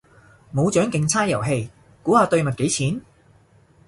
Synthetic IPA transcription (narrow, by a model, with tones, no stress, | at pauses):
mo˨˧wt͡ʃœː˨˥ŋkɪ˨˧ŋt͡sʰaː˥jɐ˨˩wɦe˧j | kuː˨˥haː˨˧t̪ɵ˧ɥmɐ˨t̚ke˨˥jt͡sʰiː˨˥n